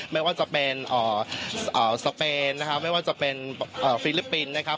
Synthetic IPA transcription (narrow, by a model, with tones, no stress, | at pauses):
ma˥˩jwaː˥˩t͡ɕa˨˩pe˧nʔəː˨˩ʔəː˨˩sa˧peː˧nːa˦˥kʰa˦˥ma˥˩jwaː˥˩t͡ɕa˨˩pe˧nʔɤː˨˩fiː˦˩li˦˥pːi˧nːa˦˥kʰa˦˥p̚